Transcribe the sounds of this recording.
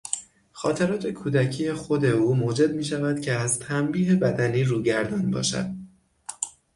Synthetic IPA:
xɒːt̪ʰeɾɒːt̪ʰe̞kʰuːd̪æcʰiːje̞xo̞d̪e̞uːmoːd͡ʒe̞d̪miːʃævæd̪̥cʰeæzt̪ʰæmbiːɦe̞bæd̪æniːɾuːɟæɾd̪ɒnbɒ̰ːʃæ̰d̪̥

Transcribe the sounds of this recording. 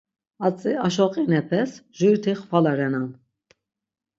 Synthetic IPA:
at͡sʼiaʃɔqʼinɛpʰɛsʒuɾt̪ʰiχvalaɾɛnan

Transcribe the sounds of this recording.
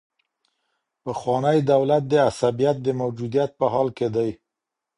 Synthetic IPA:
pəxwɑnəjd̪awlat̪̚d̪əasabijat̪̚d̪əmawd͡ʒud̪ijat̪̚pəɦɑlked̪aj

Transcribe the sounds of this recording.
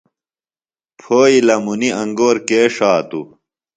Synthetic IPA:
pʰoːilɐmuniɐŋɡoːɾkeːʂaːt̪ṵ

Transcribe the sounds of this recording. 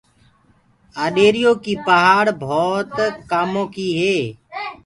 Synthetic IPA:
aːɗeːɾɪjoːkiːpəɦaːɽbʱoːt̪kaːmõːkiːɦeː

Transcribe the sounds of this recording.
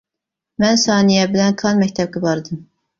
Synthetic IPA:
mɛnsɑːnijɛbɪlɛnkʰɑnmɛkʲt̪ʰɛb̚kʲɪbɑɾd̪ɨm

